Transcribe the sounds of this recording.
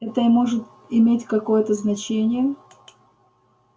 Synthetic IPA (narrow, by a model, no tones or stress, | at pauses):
ɛt̪əɪmo̞ʐɨt̪ | ɪmʲetʲkɐko̞jət̪əznɐt͡ɕenʲɪjə